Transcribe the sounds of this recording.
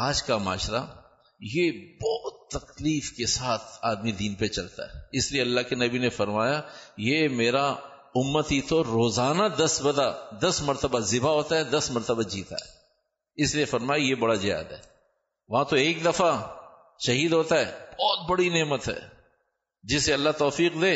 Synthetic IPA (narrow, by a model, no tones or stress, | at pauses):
aːd͡ʒkama̰ːʃɾa̰ | jebɔːt̪ːɐkliːfkesaːt̪ʰaːd̪mid̪iːnpet͡ʃɐlt̪a̰ɦɛ̰ɪslieɐlːaɦkenɐbinefɐɾmaːjajemeːɾa | ʊmːət̪ɦiːt̪ʰoɾoːzaːnad̪ɐsbɐd̪ad̪ɐsmɐɾt̪əbazɪbaɦoːt̪aɦɛd̪ɐsmɐɾt̪əbad͡ʒiːt̪a̰ɦɛː | ɪsliefɐɾmaːjajebɐɽazɪja̰ːd̪ɦɛ̰ː | ʋɐɦãt̪oeːk̚d̪ɐfa | ʃɐɦiːd̪ɦoːt̪aɦɛːb̥ɔːt̪̚bɐɽineːmət̪ɦɛ̰ː | d͡ʒɪseɐlːat̪ɔːfiːqd̪eː